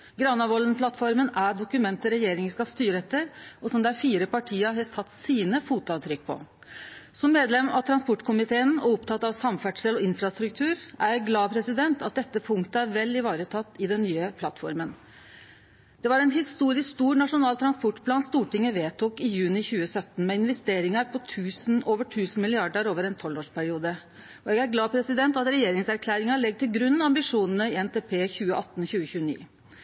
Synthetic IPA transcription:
ɡɾɑnːɑʋɔlənpʰlɑt̪fɔɾmənæɖʊkʉmɛnt̪əɾɛjeːɾɪŋəskɑst̪yːɾəɛt̪ːəɾʔɔsɔmd̪æfiːɾəpɑʈʰiːəɦɑsɑt̪ːsiːnəfuːt̪ʊɑʋt̪ʰɾʏk̚ːpʰɔ̰ | sɔmːeːd̪lɛmɑ̰t̪ʰɾɑnspɔʈkʰʊmɪt̪ʰeːənɔ̰ʊpt̪ʰɑt̪ːɑʋsɑmfæʈʂəlɔɪnfɾɑst̪ɾʉk̚t̪ʰʉːɾʔæjɡlɑːpʰɾɛsɪd̪ɛnt̪ɑt̪̚d̪ɛt̪ːəpʰʊŋkt̪əæɾʋɛlːɪʋɑːɾət̪ʰɑt̪ːɪd̪ɛnːyːəpʰlɑt̪fɔ̰ɾmən | d̪̥ɛʋɑɾɛnɦɪst̪uːɾɪskst̪uːɾnɑʂʊnɑːlt̪ʰɾɑnspɔʈpʰlɑːnst̪uːʈɪŋːəʋeːt̪ʰuːkɪjʉːnɪçʉːəsœt̪ːn̩mɛɪnʋɛst̪eːɾɪŋɑɾpʰɔt̪ʰʉːsn̩oːʋəʈʰʉːsn̩mɪlɪɑɖəɾoːʋəɾɛnt̪ʰɔlːoːʂpʰæɾɪuːd̪ə | ɔɛɡæɾɡlɑːpʰɾɛsɪd̪ɛnt̪ɑt̪ɾɛjeːɾɪŋsæɾkʰlæːɾɪŋɑɭɛɡ̚ːt̪ʰɪlɡɾʉnːɑmbɪʂuːnənəɪɛnt̪eːpʰeːçʉːəʔɑt̪ːnçʉːəçʉːənḭː

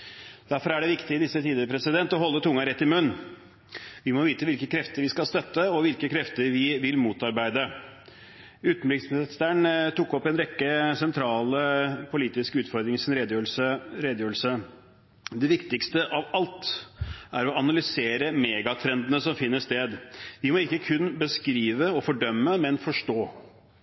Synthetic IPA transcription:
d̪̥æɾfɔɾæɖɛʋɪkt̪ɪɪd̪ɪsːət̪ʰiːd̪əɾəpʰɾɛsɪd̪ɛnt̪ɔɦɔlːət̪ʰʊŋːɑɾɛt̪ːɪmʉnː | ʋɪmɔʋiːt̪əʋɪlkəkʰɾɛft̪əɾʋɪskɑlst̪œt̪ːəɔʋɪlkəkʰɾɛft̪əɾʋɪʋɪlmuːt̪ɑɾbæɪd̪ə | ʉːt̪n̩blɪksbsæɳt̪ʊkːɔpːɛnɾɛkːəsɛnt̪ʰɾɑːləpʰʊliːt̪ɪskʉːt̪fɔɾd̪ɾɪŋɪsɪnɾed̪øsəɾeːd̪əjøːɾl̩sə | d̪ɛʋɪkt̪ɪkst̪əʔɑʋɑlt̪ | æɾɔɑnɑlʏseːɾəmeːɡɑt̪ʰɾɛnd̪nəsɔmfɪnːəʂt̪eːd̪ʋɪmɔɪkːəkʰʉnːbəskɾiːʋəɔfɔɖœmːəmɛnfɔʂʈoː

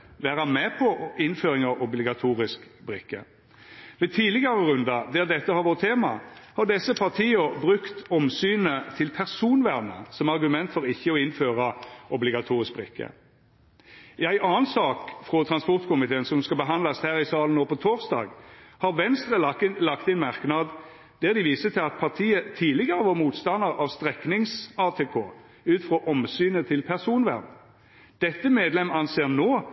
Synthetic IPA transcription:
ʋæːʁɑmɛpʰɔɪnføːɾɪŋɑɔblɪɡɑt̪ʰuːʁɪskbʁɪkːə | ʋɛt̪ʰiːlɪɡɑʁəʁʉnd̪ɑd̪ɛːd̪ɛt̪ːəhɑɾʋoːʁt̪ʰːeːmɑhɑd̪ɛsːəpʰɑʁt̪ʰiːəbʁʉkt̪ɔmsyːnət̪ʰɪlpʰæʁsuːnʋæʁnə̰sɔmɑʁɡʉmɛnt̪fɔɾɪçːəɔɪnføːʁɑʔɔblɪɡɑt̪ʰuːʁɪsk̚bʁɪkːə̰ | ɪæɪʔɑːənsɑːkfʁɔt̪ʰʁɑnspɔʁt̪kʰʊmɪt̪ʰeːnsɔmskɑbəɦɑnd̪lɑshæːʁɪsɑːlən̩oːpʰɔt̪ʰoːʁsd̪ɑ̰ːɡhɑʁʋɛnst̪ʁəlɑkt̪ɪnmɑʁknɑd̪ | d̪̥æʁd̪ɪʋiːsət̪ʰɪlɑt̪pʰɑʁt̪ʰiːət̪ʰiːlɪɡəʁəʋɔʁmuːt̪st̪ɑnəʁɑʋst̪ʁɛknɪŋsɑːt̪ʰeːkʰo̰ː | ʉːt̪fʁoːʔɔmsyːnət̪ʰɪlpʰæʁsuːnʋæ̰ʁm | d̪̥ɛt̪ːəmeːd̪lɛmːɑnseːʁnoː

